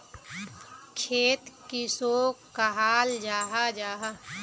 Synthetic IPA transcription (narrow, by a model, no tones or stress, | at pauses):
kʰeːt̪kisoːkəɦaːld͡ʒaːɦad͡ʒaːɦa